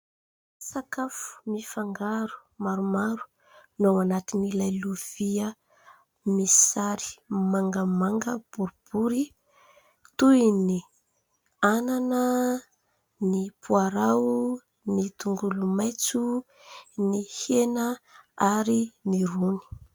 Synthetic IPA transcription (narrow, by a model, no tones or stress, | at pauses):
sakafu̥mifaŋɡaɾu̥maɾumaɾu̥ | nawanat̪inilajluv̥iə | misi̥saɾi̥maŋɡəmaŋɡəb̥uɾub̥uɾi | t̪ujni | ananə | nipʰuaɾaw | nit̪uŋɡulumajt͡su | nihenəaɾiniruni̥